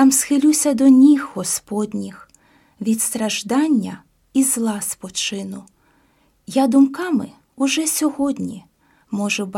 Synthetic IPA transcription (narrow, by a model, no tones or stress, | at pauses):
t̪ɑmsxɪlʲusʲɐd̪ɔnʲixːɔspɔd̪ʲnʲix | ʋʲit̪st̪ɾɐʒd̪ɑnʲːɐ | izlˠɑspɔt͡ʃɪnʊ | jad̪ʊmkɑmɪ | ʊʒɛsʲɔɦɔd̪ʲnʲi | mɔʒʊb